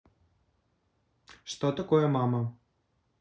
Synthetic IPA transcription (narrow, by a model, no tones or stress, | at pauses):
ʂt̪ɔt̪ɐkɔjɛmamɐ